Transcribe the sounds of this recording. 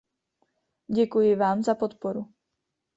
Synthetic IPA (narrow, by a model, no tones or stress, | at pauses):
ɟɛkujivaːmzapot̪pɔɾu